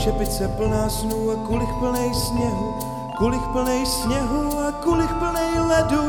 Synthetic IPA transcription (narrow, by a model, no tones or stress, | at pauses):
ʃɛpɪt͡sɛpl̩naːsnuwakulɪxpl̩nɛjsɲɛɦu | kulɪxpl̩nɛjsɲɛɦuakulɪxpl̩nɛjlɛdu